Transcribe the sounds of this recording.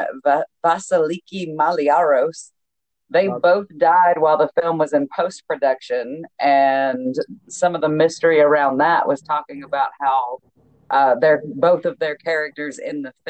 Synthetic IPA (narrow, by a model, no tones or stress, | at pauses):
væsəlikimɑliɑɹoʊs | ðeɪboʊθd̥aɪd̚waɪlˠðəfɪlˠmwʌzɨ̃npʰoʊspʰɹ̥ɨdʌkʃɨ̃nʔɨ̃nsʌ̃mʌvðəmɪstə˞iə˞ãʊ̃nðəʔwʔʌz̥tʰɔkɪ̃ŋəbaʊt̚haʊ | ʔʌðə˞boʊθʌvðə˞kʰɛɹɨk̚tə˞zɪ̰̃nðɨf